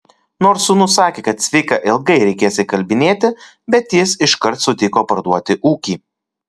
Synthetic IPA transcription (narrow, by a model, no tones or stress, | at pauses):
noːɾsʊnʊsɑːkʲeːkɐt̪sʲʋʲɪɪkɐʔɪlˠɡɐɪɾʲɛɪkʲeːsʲɪkɐlʲbʲɪnʲeːt̪ʲɪ | bʲɛt̪jɪsɪʃkɐɾt̪sʊt̪ʲɪkoːpɐɾd̪uɔt̪ʲɪʔuːkʲiː